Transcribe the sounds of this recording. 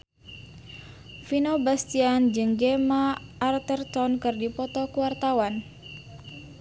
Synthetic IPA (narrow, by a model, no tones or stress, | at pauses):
finobast̪iand͡ʒɨŋɡemaːrt̪ərt̪ɔnkɨrdipɔt̪ɔkuwart̪awan